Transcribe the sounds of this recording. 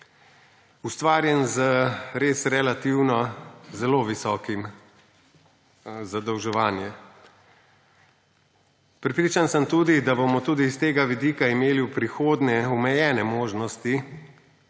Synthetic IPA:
ust̪ʋaːɾjɛnzəɾeːsɾɛlat̪iwnɔzɛloːʋisɔːkim | zad̪ɔwʒɛʋaːnjɛ | pɾɛpɾiːt͡ʃansəmt̪uːd̪id̪abomɔt̪uːd̪iːst̪eːɡaʋid̪iːkaimeːliwpɾixoːd̪nɛumɛjɛːnɛmoːʒnɔst̪i

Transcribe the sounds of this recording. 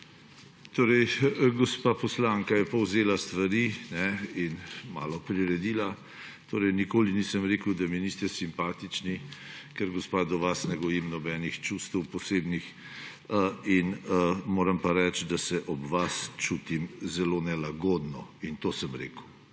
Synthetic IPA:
t̪oːɾɛjɡɔspapɔslaŋkajɛpɔwzeːlast̪ʋaɾinɛinma̰ːlɔpɾiɾɛd̪iːla | t̪oːɾɛjnikoːlinisəmɾeːkəwd̪aminiːst̪ɛsimpaːt̪it͡ʃnikɛɾɡɔspaːd̪ɔʋasnɛɡɔjimnɔbɛːnixt͡ʃust̪əwpɔseːbnix | inmoːɾəmpaɾɛt͡ʃd̪asɛʔɔbʋast͡ʃuːt̪imzɛlonɛlaɡoːd̪nɔint̪oːsəmɾḛːkw

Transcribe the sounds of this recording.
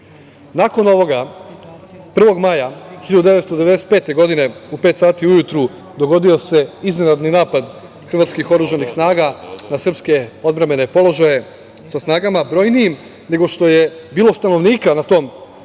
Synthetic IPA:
nako̞no̞ʋo̞ɡa | pr̩ʋo̞ɡmajaxiʎad̪ud̪eʋe̞t̪st̪od̪ee̞d̪eset̪̚pe̞ːt̪e̞ɡo̞d̪ine̞upe̞ːt̪saːt̪iujut̪ɾu | d̪o̞ɡo̞d̪io̞se̞iznenad̪ninaːpad̪ | xr̩ʋaːt̪skixo̞ɾuʒanixsnaːɡanasr̩pske̞o̞d̪bɾame̞ne̞po̞lˠo̞ʒaje̞ | sasnaːɡamabɾo̞jnijim | ne̞ɡo̞ʃt̪o̞je̞biːlˠo̞st̪ano̞ʋniːkanat̪o̞ːm

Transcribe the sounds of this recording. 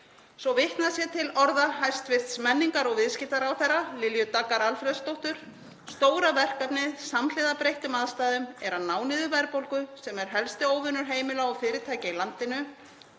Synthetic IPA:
svɔvɪht̪nasjɛt̪ʰɪlɔɾðaɦajst̪vɪr̥t̪smɛnːiŋkaɾɔɣvɪðscɪt̪aɾawθɛrːalɪljʏt̪akːaɾalfɾɛðst̪owht̪ʏɾ̥ | st̪oːwɾavɛr̥kapnɪðsaml̥ɪðapɾejht̪ʏmaðst̪aːðʏmɛɾanaːwnɪðʏvɛɾpowlkʏsɛmɛɾ̥ɦɛlst̪ɪoːwvʏnːʏɾ̥ɦeːjmɪlaɔɣfɪːɾɪt̪ʰaːjcailant̪ɪnʏ

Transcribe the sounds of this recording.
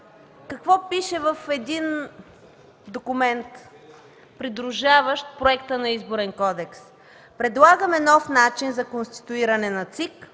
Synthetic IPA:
kɐkvɔpiʃɛvəfɛd̪in | d̪okʊmɛnt̪ | pɾid̪ɾuʒavəʃt̪pɾoɛkt̪ənɐizbʊɾɛnkɔd̪ɛks | pɾɛd̪lˠaɡəmɛnɔfnat͡ʃinzɐkonst̪i̥t̪ʊiɾɐnɛnɐt̪sik

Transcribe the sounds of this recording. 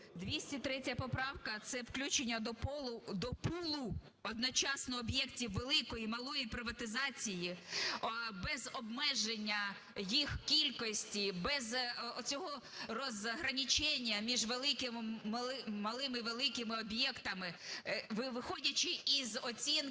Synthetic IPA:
d̪ʋʲisʲtʲit̪ɾɛtʲjɐpɔpɾɑwkɐt̪sɛwklʲut͡ʃenʲːɐd̪ɔpɔlˠʊd̪ɔpulˠʊ | ɔd̪nɔt͡ʃɑsnɔːbjɛktʲiwːelˠɪkɔjimɐlˠɔjipɾɪʋɐt̪ɪzɑt͡sʲiji | bɛzɔbmɛʒenʲːɐ | jixkʲilʲkɔsʲtʲibɛzɔt͡sʲɔɦɔ | rɔzɦɾɐnʲit͡ʃɛnʲːɐmʲiʒʋelˠɪkɪmɪmˠmɐlˠɪmɪʋelˠɪkɪmɪɔbjɛkt̪ɐmɪʋɪʋɪxɔdʲɐt͡ʃɪizɔt͡sʲin

